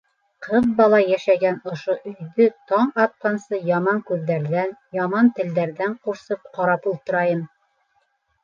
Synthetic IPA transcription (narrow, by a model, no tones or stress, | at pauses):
qʰɤðbɑlˠɑjæʃæɡænŏʃoʔɵ̆jðɵt̪ɑɴɑt̪̚qɑnsɤjɑmɑŋkʉðːæɾðænjɑmɑnt̪ɘ̆ld̪æɾðæɴquɾsɤp̚qɑɾɑpulˠt̪ŏɾɑjɤm